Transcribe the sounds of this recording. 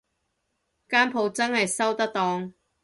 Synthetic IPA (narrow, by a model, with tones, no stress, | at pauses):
kaː˥npʰo˨˧wt͡sɐ˥nhɐ˨jsɐ˥wt̪ɐ˥k̚t̪ɔː˨˥ŋ